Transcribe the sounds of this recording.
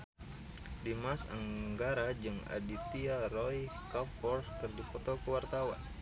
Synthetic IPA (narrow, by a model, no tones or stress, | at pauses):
dimasa̰ŋɡaɾad͡ʒɨŋa̰dit̪iaɾɔjkapfɔrft̪ɨrdifɔt̪ɔkəwart̪awa̰n